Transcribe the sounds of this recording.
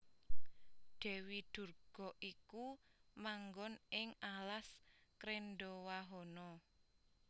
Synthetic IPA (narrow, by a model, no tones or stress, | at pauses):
ɖ̪̥ɛ̤wid̪̥ṳrɡ̥ɔ̤ʔikumaŋɡɔnɪŋalaskɾenɖɔwaɦɔnɔ